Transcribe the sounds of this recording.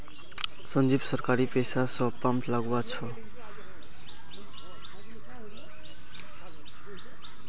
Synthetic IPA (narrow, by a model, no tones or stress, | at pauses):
sʌnd͡zibsʌrkaɾipesasʌpamtlaɡuat͡sʰʌ